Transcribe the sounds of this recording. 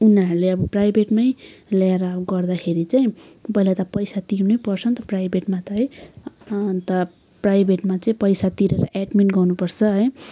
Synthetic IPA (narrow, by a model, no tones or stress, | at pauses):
unʌɾuleʌbʌprajbeʈmʌjleɾʌɡʌrd̪akʰeɾit͡saĩbʌɦilat̪ʌpʌjsat̪iɾnujpʌrt͡sʰʌnt̪ʌprajbʱeʈmat̪ʌɦʌj | t̪ʌ | prajbʱeʈmat͡saĩpʌjsat̪iɾeɾʌ̰ʔeɖminʈɡʌnupʌrt͡sʰʌɦʌj